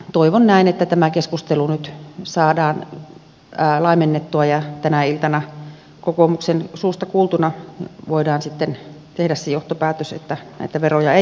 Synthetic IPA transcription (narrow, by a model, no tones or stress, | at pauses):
t̪oiʋonnæˑinet̪ːæt̪æmækeskust̪elunyt̪sɑːdɑːnː | lɑimenːet̪ːuɑjɑt̪ænæilt̪ɑnɑ | kokomuksensuːst̪ɑkuːlt̪unɑʋoidɑːnsit̪ːent̪ehdæssejoht̪opæːt̪øsḛt̪ːænæ̰it̪æʋerojɑe